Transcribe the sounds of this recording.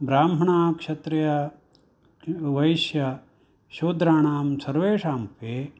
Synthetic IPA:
bɾaːmɦɐɳaːkʂɐt̪ɾɐjɐ | ʋɐjʃjɐ | ʃoːd̪ɾaːɳaːmsɐɾʋeːʂaːmpeː

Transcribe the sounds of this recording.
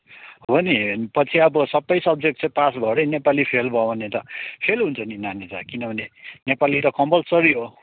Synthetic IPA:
ɦonipʌt͡sʰiʌbʌsʌbːʌjsʌb̚d͡zek̚ʈt͡sʰʌ̃pasbʱʌɾʌjnepalipʰelbʱʌʌnet̪ʌpʰelɦunt͡sʰʌninanit͡sakinʌbʱʌnenepaliɾʌkʌmpʌlsʌɾiɦo

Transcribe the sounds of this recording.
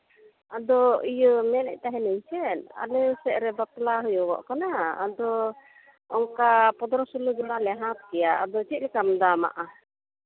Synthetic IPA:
ad̪ɔijəmɛnɛ̰ʔ̚t̪aɦɛnəɲt͡ʃɛna̰lɛsɛʔɾɛbaplaɦɔjɔwɔ̰ʔkanaad̪ɔ | ɔŋkapɔd̪ɾɔsulud͡ʒɔlalɛɦãt̪̚kɛjaad̪ɔt͡ʃit̪̚lɛkamd̪ama̰ʔa

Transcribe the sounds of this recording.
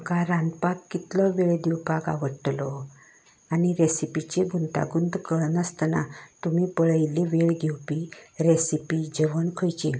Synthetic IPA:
kaɾãnd̪pak̪̚kit̪lɔʋeɭd̪iwpaɡa̰ʋəʈlɔ | aniɾesipit͡ɕeɡunt̪a̰ɡund̪kəɭnəst̪na̰t̪umipəɭəjliʋeɭɡʱewpiɾesipid͡ʑəʋəɳkʰəjt͡ɕi

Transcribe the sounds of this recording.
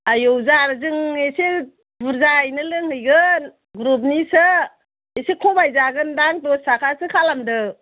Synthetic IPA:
ajowzaɾzɯŋese | buɾzajnɯlɯŋhɯjɡɯn | ɡɾup̬̚nisɯ | esekʰɔbajzaɡɯndaŋtɔsakʰasɯkʰalamdɯ

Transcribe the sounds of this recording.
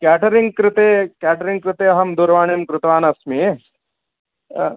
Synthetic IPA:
kaːʈɐɾiŋɡkɾɪt̪eːkæːʈɐɾiŋɡ̚kɾɪt̪eːɐɦɐmd̪uɾʋaːɳemkɾɪt̪ʋaːnɐsmi

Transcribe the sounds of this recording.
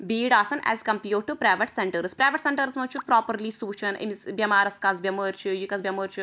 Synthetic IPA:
biːɖaːsɐnɛ̰ːzkɐ̃mpjuːʈːupɾajʋɐʈseɳʈɐɾspɾajʋɐʈseɳʈɐɾsmɐt͡ʃːupɾaːpɐɾlisuːt͡ʃɐnḭnsbjɐmaːɾɐskaːzbjɐməːɾt͡ʃjikɐzbjɐməːɾt͡ʃ

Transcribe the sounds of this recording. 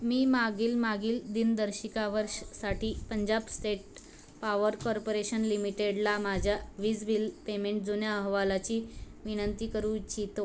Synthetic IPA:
miːmaɡiːlmaɡiːld̪ind̪əɾɕikaʋəɾɕsaʈʰiːpəɲd͡ʑabsʈeʈ̚ | paʋəɾkɔɾpoɾeɕənlimiʈeɽlamad͡ʑʱjaʋiːd͡zbilpemẽɳʈ̚d͡zonjaəɦʋalat͡ɕiːʋinənt̪iːkəɾũt͡ɕit̪o

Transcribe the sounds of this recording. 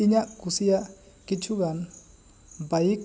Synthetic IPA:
iɲaʔkusija | kit͡ʃʰuɡan | baik̚

